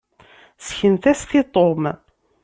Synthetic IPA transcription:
sçənt̪æst̪it̪ˤom

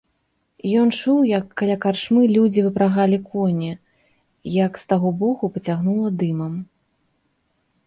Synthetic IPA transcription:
jɔnt͡ʂuwjɐkːalʲakarʂmɨlʲud͡zʲivɨpɾaɣalʲikɔnʲɛ | jɐkst̪aɣɔbɔɣupɐt͡sʲaɣnulˠɐd̪ɨmɐm

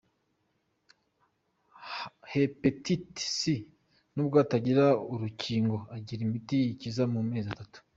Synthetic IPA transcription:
hepetitsi | nuːbɡaːtaɟiɾauɾuciːŋɡo̞aɟiɾimitiicizamume̞ːziatatu̥

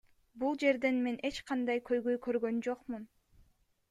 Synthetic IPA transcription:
bulˠd͡ʒe̞ɾd̪e̞nme̞nʔe̞t͡ʃqʰɑnd̪ɑjkʰø̞jɡø̞jkʰø̞ɾɡø̞nd͡ʒo̞qmun

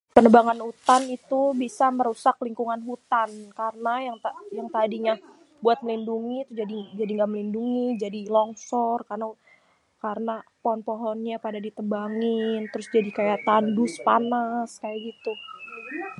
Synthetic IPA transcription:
pənəbaŋanut̪anit̪ubisaməɾusak̚liŋkuŋanɦut̪ankarənajaŋt̪ajaŋt̪adiɲa | buat̪̚məlinduŋiːt̪ud͡ʒadid͡ʒadiŋɡaməlinduŋid͡ʒadilɔŋsɔrkarna | kaɾənapɔɦɔnpoɦɔnɲapadadit̪əbaŋɪnt̪əɾʊsd͡ʒadikajat̪anduspanaskajaɡit̪u

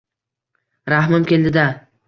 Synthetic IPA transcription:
ɾaɦmɪmkʲend̪ɪd̪a

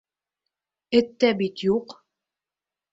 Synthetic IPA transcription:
ɘ̆t̪ːæbit̪juq

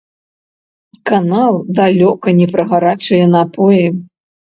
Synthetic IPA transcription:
kanalˠd̪alʲɔkɐnʲɛpɾɐɣaɾat͡ʂɨjɛnɐpɔjɛ

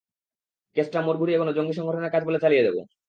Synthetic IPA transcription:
kesʈamoɾbʱuɾiekonod͡ʑoŋɡiʃ̬ɔŋɡʱɔʈonakad͡ʑbolet͡ɕalijed̪ebo̰

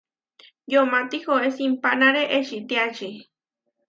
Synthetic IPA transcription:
jomat̪ixoesimpanaɾeʔeʃit̪iat͡ʃi

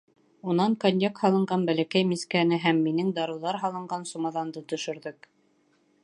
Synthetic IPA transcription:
unɑŋkonʲjekhɑlˠɤ̆ɴɢɑnbælækæjmiskænɘɦæmːinɘŋd̪ɑɾɤ̆wðɑɾɦɑlˠɤ̆ɴɢɑnsumɑðɑnd̪ɤt̪ɵ̆ʃɘ̆ɾðɘk

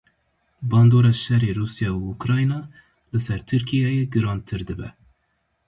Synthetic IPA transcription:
bɑːnd̪oːɾɑʃɛreːɾuːsjɑːuukɾɑːjnɑː | lɨsɛɾt̪ʰɨɾkʰijɑːjeɡɨɾɑːnt̪ʰɨɾd̪ɨbɛ̰

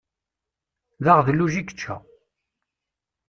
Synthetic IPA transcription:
ðaʁðlːuʒikːə̥t͡ʃːæ̰

